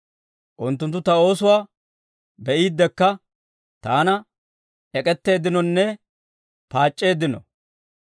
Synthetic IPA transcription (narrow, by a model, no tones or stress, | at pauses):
ʔʊnt̪ːʊnt̪̬ːʊt̪ɐo̞ːsʊwaː | bɛʔiːd̪ːɛkːɐ | t̪aːnɐ | ʔɛkʼɛt̪ːe̞ːd̪ɪnɔnːɛ | paːt͡ʃʼːe̞ːd̪ːɪnɔ̰